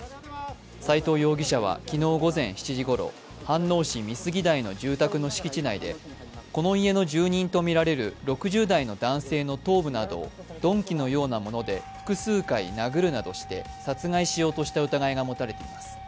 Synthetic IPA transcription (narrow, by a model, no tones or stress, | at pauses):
sait̪o̞ːjo̞ːɡʲiɕaβ̞a̰kʲino̞ːɡo̞zẽ̞ɰ̃çi̥t͡ɕiʑiɡo̞ɾo̞̰ | hãnːo̞ːɕimʲisɨɡʲid̪aino̞ʑɨːt̪akɯ̟no̞ɕi̥kʲit͡ɕinaid̪e̞̰ | ko̞no̞ie̞noʑɨːɲ̟ĩnt̪o̞mʲiɾaɾe̞ɾɯ̟ɾo̞kɯ̟ʑɨːd̪aino̞d̪ãɰ̃se̞ːno̞t̪o̞ːbɯ̟nad̪o̞̰ | d̪̥õ̞ŋkʲino̞jo̞ːnamo̞no̞d̪e̞ɸɯ̟̥kɯ̟sɨːkainaɡɯ̟ɾɯ̟nad̪o̞̰ɕi̥t̪e̞̰ | sat͡sɨŋaiɕijo̞ːt̪o̞ɕi̥t̪aɯ̟t̪aɡaiɡamo̞t̪aɾe̞t̪e̞imasɨ̥